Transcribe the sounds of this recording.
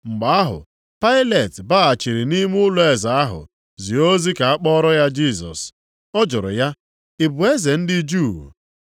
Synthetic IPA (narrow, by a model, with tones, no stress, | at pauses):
ŋ͡m̩˨ɡ͡ba˨a˦ɦʊ̰˨ | pa˦ɪ˦le˨tba˦a˨t͡ʃi˨ɾi˨ni˦m˦ʊ˦lʊ˦e˨za˨a˦ɦʊ̰˨ | zi˨o˦zi˦ka˨a˦k͡pɔ˦ɾɔ˦ja˦d͡ʒi˦˨sɔ̰˨s | ɔ˦d͡ʒʊ˨ɾʊ̰˨ja˦ | ɪ˨bʊ˨e˦ze˨n̩˦dɪ˦d͡ʒu˦˨